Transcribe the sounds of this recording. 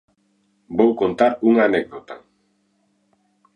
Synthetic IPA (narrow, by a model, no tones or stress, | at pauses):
bowkont̪aɾuŋanek̚dowt̪aŋ